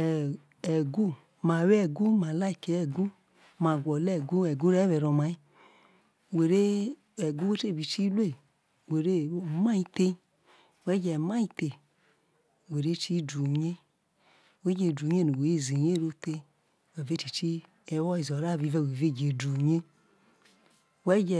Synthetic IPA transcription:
ɛ˨ɡu˦ | ma˨wɛ˦˨ɡu˦ma˨la˦i˨ke˨ɛ˨ɡu˦ | ma˨ɡʷɔ˨lɛ˦˨ɡu˦ɛ˨ɡu˦ɾɛ˦wɛ˨ɾɔ˨ma˨i˦ | we˨ɾe˦ | ɛ˨ɡu˦e˦te˦˨bi˨t͡ʃi˦le˦˨ | we˨ɾe˦˨˦ma˦i˦te˦ | wɛ˦d͡ʒɛ˨ma˦i˧te˨ | we˨ɾe˦t͡ʃi˦du˨ɲe˦˨ | we˦d͡ʒe˧˨du˨ɲ˦e˦˨nu˨we˨e˦˨ze˨ɲe˦ɾo˦te˧˦ | we˨ve˦ti˨t͡ʃi˦ | ɛ˨˦wɔ˦i˨zɔ˨ɾa˦˨βi˨˧vɛ˦˨we˨ve˦˨d͡ʒe˨du˨ɲe˦ | wɛ˦d͡ʒɛ˨

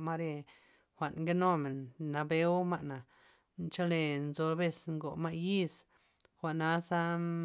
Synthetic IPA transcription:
ma˦ɾe˧ | xʷa˨ʔnŋɡe˦no˦me˨nːa˧be˧˦wma˦ʔna˨ | nt͡ʃa˦le˧nzo˧ɾbe˧sŋɡo˨ma˦˧ji˦s | xʷa˨ʔna˦sa˦

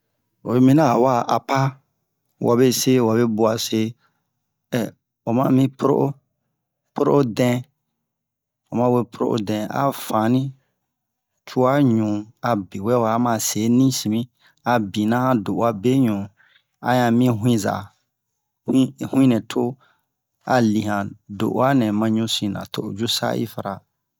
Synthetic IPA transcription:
wo˨be˨mĩ˦nã˦˨wa˦ʔa˨pa˦ | wʔa˨be˦se˦wa˨be˦bu˨a˨se˦ | ɛ˨ | wa˨mã˦mĩ˦po˦ɾo̰˦ʔo˦ | po˦ɾo̰˦ʔo˦dɛ̃˦ | wa˨mã˦we˦pʰo˨ɾo̰˦ʔo̰˦dɛ̃˨a̰˨fã˨nĩ˦ | t͡ʃʰu˦a˦ɲũ˨a˨be˨wɛ˦wa˨˦mã˨se˨˦nĩ˦sĩ˨mĩ˦ | a˨bĩ˨nã˦hã˦do˨a˦be˦ɲũ˨ | a̰˨ɲã˨mĩ˦ɦw̃ĩ˦za̰˨ | hĩ˦hũ˦ĩ˦nɛ̃˨tʰo˦ | a˨li˨hã˨do̰˨ʔa˦nɛ̃˨mã˦ɲũ˦sĩ˨nã̰˨tʰo˦˨ʔo˨d͡ʒu˦sa̰˦ḭ˦fa˨ɾa˨

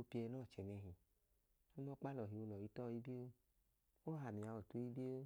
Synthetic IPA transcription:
o˧pi˧ɛ˧nɔ˦˨t͡ʃɛ˨nɛ˧ɦĩ˨ | o˦nɔ˦k͡pa˦lɔ˨ɦi˨o˧lɔ˨i˨˧˦tɔ˦˨˧i˦di˦o˦ | o˦ɦa˨mi˨a˨˧ɔ˨to˧˦i˦de˦o˦

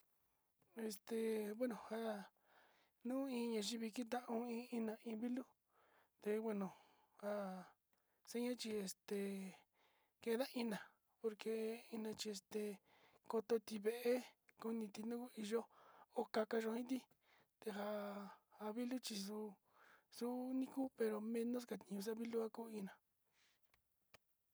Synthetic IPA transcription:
e˧st̪e˨βe˦nõ˨ha˦ | nũː˦ĩ˧ɲã˧˨ʒi˦βi˧ki˦t̪̬ã˦ʔũ˧ĩ˧˦i˦nã˨ĩ˧βi˦lu˦ | t̪e˧we˧nõ˨ | ha˧ | se˦ɲã˦t͡ʃi˧e˧st̪e˨ | kẽ˧˦ða˦ʔĩ˦nã˨ | po˧ɾke˧ĩ˧nã˧t͡ʃi˧e˧st̪e˨ | ko˧t̪o˧t̪i˧βe˧ʔe˦ku˧nĩ˧t̪i˧nũ˦ku˦i˧ʒo˦o˦ka˧ka˧ʒõ˧ĩ˦t̪̬i˦ | t̪e˧ɦa˧a˧βi˦lu˦t͡ʃi˧s̬u˧˦ | su˦nĩ˦ku˦pe˧ɾo˧mẽ˧nõ˦s̬ka˧˨t̪ĩ˧ɲũ˧s̬a˦βi˦lu˦a˦kuː˦ĩ˧nã˨

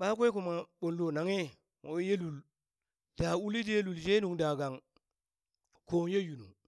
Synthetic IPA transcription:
ɓa˦k̬ʷe˦ku˨ma˨ɓo˨ldo˨na˨ŋe˦ | ŋo˨˦je˦lu˨l | d̥a˨u˦li˦de˦lu˨lʃe˦nu˨ŋda˨ɡa˨ŋ | ko˨˦je˦ju˨nu˨ŋ

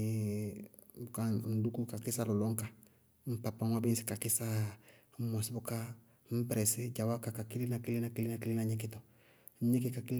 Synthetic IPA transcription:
buka˦n̩˨du˦ku˦ka˨kɪ˦sa˦lɔ˨lɔ˦ŋka˨ | m̩˨pa˨pa˦ŋwa˦bi˦si̥˨ka˨kɪ˦sa˦ | mɔ˨si˦bʊ˦ka˦ | m̩˦pɛ˦ɾɛ˨sɪ˦d͡ʒa˨wa˦ka˨ka˨ki˦li˦na˨ki˦li˦na˨ki˦li˦na˨ki˦li˦na˨˦ɲe˦kɪ˦tɔ˨˦ | ɲe˦ki˨ka˨ki˦l

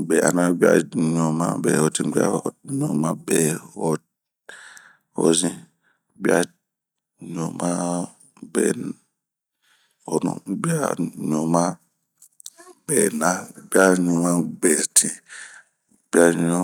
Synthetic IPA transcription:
bɛ˨a̰˨nã˦bi˦a̰˨ɲɔ̃˨mã̰˦bɛ̰ː˨ɔ˨tʰĩ˨˦ɡ͡bi˦a̰˦ɲɔ̃˨mã˦bɛ˨ɔ˨ | ɔ̰˨zĩ˦ | bi˦a˦ | ɲɔ̃˨mã˦ | bɛ̰˨n | ɔ˨nṵ̃˦bi˦a˦ɲɔ̃˨mã˦ | bɛː˨nã˦˨˦bi˦a˦ɲɔ̃˨mã˦ɡ͡bɛ˨tʰĩ˨˦ | b̥i˦a˦ɲɔ̃˦

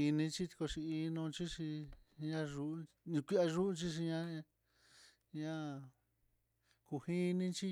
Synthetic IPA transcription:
i˧nĩ˧t͡ʃi˦t̪ko˧ʂi˧i˧˦nũ˧t͡ʃi˦ʂi˧ɲã˦ʒũ˧ | kʷi˦a˧ʒu˦ʔu˧t͡ʃi˦ʃ̬i˧ɲã˦˧ | ɲã˦˧ | ku˨˧hi˦nĩ˦t͡ʃi˦

